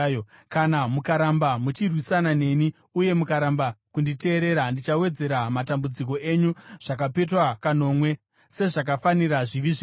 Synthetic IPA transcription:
kanamukaɾambamut͡ʃirwisanane̞ni | uje̞mukaɾambakundite̞ːɾe̞ɾandit͡ʃawe̞d͡ze̞ɾamatambud͡zik̬o̞ʔe̞ɲuʐ̥ak̬ape̞twakano̞ːmwe̞ | se̞ʐak̬afaniraʐiʋiʐe

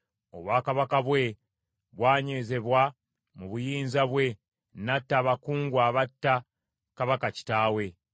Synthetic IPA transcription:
o̞βwaːkaβakaβwe̞ | βwaːɲeːze̞βwa | muβujiːnzaβwe̞ | natːaːβakuːŋɡwaːβatːa | kaβakaci̥taːwe̞

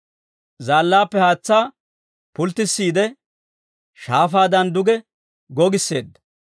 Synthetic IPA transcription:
zaːlːaːpːɛhaːt͡sːaː | pʊlt̪ːɪsːiːd̪ɛ | ʃaːfaːd̪ɐnd̪ʊɡɛ | ɡɔɡɪsːe̞ːd̪ːɐ̥

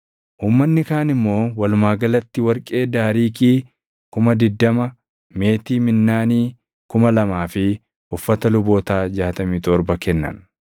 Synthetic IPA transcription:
ʔuːmːɐnːɪkaːnɪmːo̞ːwɐlʊmaːɡɐlɐt̪ːɪwɐɾkʼe̞ːd̪aːɾiːkiː | kʊmɐd̪ɪd̪ːɐmɐ | me̞ːt̪iːmɪnːaːniː | kʊmɐlɐmaːfɪ | ʔʊfːɐt̪ɐlʊboːt̪aːd͡ʒaːt̪ɐmiːt̪ɔɾbɐkɛnːɐ̰n

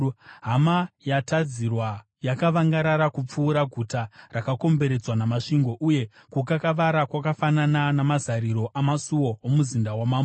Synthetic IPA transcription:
ɦamajatad͡zirwa | jakaʋaŋɡaɾaɾakup͡fuːɾaɡʱutarakako̞mbe̞ɾe̞d͡zwanamaʂiŋɡo̞ʔuje̞ | kukakaʋaɾakwakafanananamazaɾiɾo̞ʔamasuwo̞omuzindawamaːm

